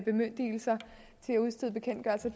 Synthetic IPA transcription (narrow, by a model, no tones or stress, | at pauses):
b̥e̝mønd̥ḭːl̩sɐ | t͡sʰe̝læuð̞ˠsd̥eðˠb̥e̝kʰen̰d̥ɡ̥ɶælsɐd̥